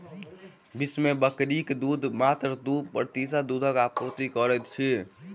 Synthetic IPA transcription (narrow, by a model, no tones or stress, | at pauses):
bismebəkɾikd̪ud̪ʱmat̪ɾd̪upɾt̪isad̪ud̪ʱəkapot̪ikəɾɛt̪t͡ʃʰi